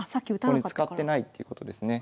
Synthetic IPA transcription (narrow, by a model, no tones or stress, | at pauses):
sakʲːiɯ̟t̪aɲiɨ̥kat̪ːe̞nait̪ːeiɯ̟ko̞t̪o̞d̪e̞sɨne̞